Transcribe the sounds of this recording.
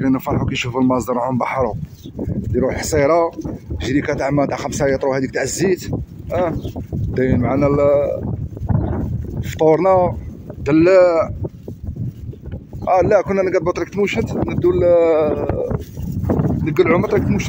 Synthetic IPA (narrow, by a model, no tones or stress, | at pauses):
linəfɑɾħukænʃufəlmɑsˤd̪ɑɾˤʕʊmbɑħɾˤu | d̪iɾuħsˤiɾˤɑʒɾikæt̪aʕmæt̪aʕxæmsajæt̪ˤɾuhæd̪ik̚t̪ʕəzːit̪æd̪æjənmʕanæl | ft̪ˤuɾˤnæ | d̪əlːæ | ʔælækʊnːænəɡæd̪̚bɑt̪ˤɾikt̪muʃət̪nəd̪ːul | nəɡːəlʕʊmət̪ˤɾik̚t̪muʃə